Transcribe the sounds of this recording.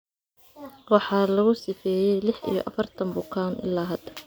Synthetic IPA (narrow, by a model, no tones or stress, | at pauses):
wɑħɑːlɐɣʊsɪfɛːjɛjlɪħʔḭjɔ̰ʔɐfɐrt̪ʰɐmbʊkʰaːnʔɪ̰lːaːɦɐd̪ɐ